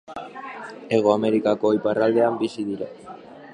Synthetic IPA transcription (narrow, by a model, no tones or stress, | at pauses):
eɣ̞oameɾikakoiparald̪eambisiðiɾa